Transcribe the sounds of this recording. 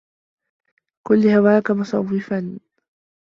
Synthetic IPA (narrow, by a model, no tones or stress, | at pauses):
kʊlːɪhawaːkamʊsˤɑwːɪfan